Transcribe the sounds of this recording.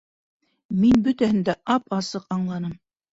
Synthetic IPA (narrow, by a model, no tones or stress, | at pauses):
minbɵ̆t̪æhɘ̆nd̪æʔɑpɑsɤqɑɴlˠɑnɤm